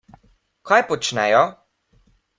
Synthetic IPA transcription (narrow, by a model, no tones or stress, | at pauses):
kʰɔjpɔt͡ʃnɛjɔ